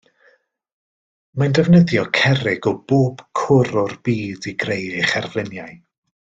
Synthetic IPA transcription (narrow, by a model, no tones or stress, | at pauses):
mandɛvnəðjɔkʰɛrɪɡɔb̥oːb̥kʰʊɾɔrbiːdiɡrejɪχɛrvlˠɪnjaɨ